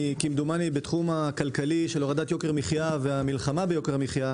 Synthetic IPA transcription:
kimd̪umanibet̪χumakalkaliʃeloʁad̪at̪jo̞keʁmiχjaveamilχamabejo̞keʁmiχja

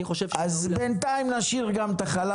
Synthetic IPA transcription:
iχoʃevazbent̪aimlaʃiʁɡamt̪aχala

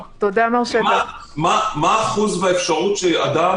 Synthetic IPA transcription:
t̪od̪amaʁʃamamamaːχuzvaefʃaʁut̪ʃea̰d̪a

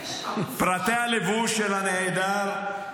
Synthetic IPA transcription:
pɾat̪ɛalevuʃelanɛajd̪aɾ

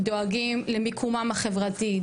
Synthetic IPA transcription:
doaɡimlemikʰumamaχe̞vʁati

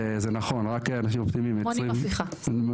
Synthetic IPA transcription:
zenaχo̞nʁakeanaʃ̬imopt̪imimjot͡sʁimiχa

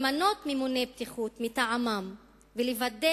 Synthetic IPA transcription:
mano̞tmimunebt̪iχut̪mitaʕamam | velevade

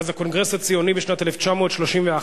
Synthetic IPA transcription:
zako̞nɡʁe̞shat͡sijonibeʃnateleft͡ʃamo̞ːt̪ʃlo̞ʃimvea

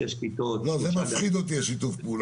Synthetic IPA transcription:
eʃkit̪olozemafχid̪ot̪̬iaʃit̪ufpuːl

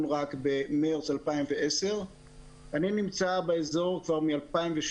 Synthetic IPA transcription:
nʁakbemeʁt͡salpaimveese̞ʁ | aninimt͡sabeezo̞ʁkvaʁmialpaimveʃ

